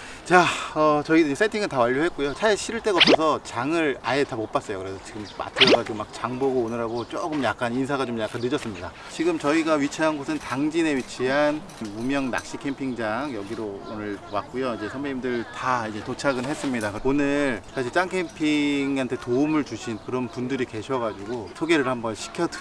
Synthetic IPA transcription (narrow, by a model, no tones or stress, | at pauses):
t͡ɕaʌt͡ɕʌiɯims͈ʰatʰiŋɯɭtawaʎːoɦe̞t̚k͈ujot͡ɕʰaeɕʰiɾɯɭt͈e̞ɡaʌps͈ʌsʰʌt͡ɕaŋɯɾaetamop͈as͈ʌjokɯɾe̞sʰʌt͡ɕiɡɯmma̰tʰɯɡat͡ɕomːak̚t͡ɕaŋboɡoːnɯɾaɡot͡ɕ͈oɡɯmjak͈anins̬ʰaɣat͡ɕomjak͈anːɯd͡ʑʌs͈ɯmɲida | t͡ɕiɡɯmt͡ɕʌiɡaɥit͡ɕʰiɦanɡosʰɯntaŋd͡ʑine̞wɥit͡ɕʰiɦan | mumjʌŋna̰k̚ɕ͈ikʰe̞mpʰiŋd͡ʑaŋjʌɡiɾoo̰nɯɭt͡ɕowak̚k͈ujoid͡ʑe̞sʰʌmeimdɯɭtaaid͡ʑe̞tot͡ɕʰaɡɯnɦe̞s͈ɯmɲidakonɯɭɭsʰaɕ̬ʰiɭt͡ɕ͈aŋkʰe̞mpʰiŋɦantʰe̞toumɯɭt͡ɕuɕʰinkɯɾʌnpundɯɾike̞ɕʰʌɡad͡ʑuɡosʰoɡe̞ɾɯɭhambʌnɕʰi̥kʰjʌd